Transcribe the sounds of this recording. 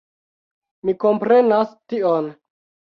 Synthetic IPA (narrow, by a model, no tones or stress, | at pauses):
miko̞mpɾe̞nastion